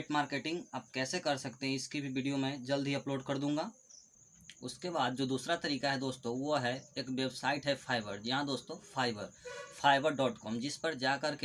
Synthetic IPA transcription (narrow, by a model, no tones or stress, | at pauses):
ʈmaːɾkeːʈɪ̃ŋɡaːp̚kɛːsekɐɾsɐkt̪eɦɛ̃ɪskibʱiʋiːɖijomẽd͡ʒɐld̪ʱɦiɐploːɖkɐɾd̪ũːŋ̆ɡaː | ʊskebaːd̪̚d͡ʒoːd̪uːsɾat̪ɐɾiːkaɦɛd̪oːst̪õʋoɦɛeːkʋebsaːɪʈɦɛfʰaːɪʋəɾjɐɦãd̪oːst̪õfʰaːɪʋəɾpʰaːɪbəɾɖɔːʈkɔːmd͡ʒɪspɐɾd͡ʒaːkɐɾke